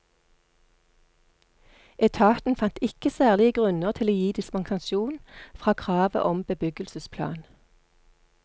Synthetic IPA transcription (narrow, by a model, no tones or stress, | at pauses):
ʔɛt̪ʰɑːt̪n̩fɑnt̪ɪkəsæːʁlɪəɡʁʉnəʁt̪ʰɪloːjiːd̪ɪsmɑŋsɑnʃuːnfʁɑːkʰʁɑːʋə̰ʔɔmbəbʏɡəlsəspʰlɑ̰ːn